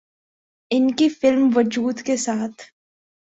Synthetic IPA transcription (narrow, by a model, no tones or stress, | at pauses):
ɪnkifɪlmʋʊd͡ʒuːd̪kesaːt̪ʰ